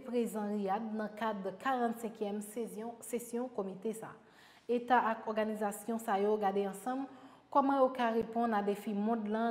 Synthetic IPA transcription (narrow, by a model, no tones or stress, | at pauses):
pʁezãliadnɐ̃kad̪kʰaʁɑ̃t̪sɛ̃kjɛm̃sesjɔ̃komit̪esa̰ː | et̪aʔakɔʁɡanizasjɔ̃sajoɡadeɑ̃sɑ̃m | kɔmɑ̃jokaʁepɔ̃nad̪efimɔ̃d̪lã